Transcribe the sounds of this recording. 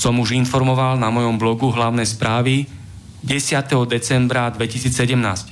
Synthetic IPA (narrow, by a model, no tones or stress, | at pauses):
sɔmuʒinfɔɾmɔʋalnamɔjɔmblɔɡuɦlaʊnɛjspɾaːʋi | ɟɛsɪat̪ɛɦɔd̪ɛt͡sɛmbɾad̪ʋɛcisiːt͡ssɛɟɛmnaːsc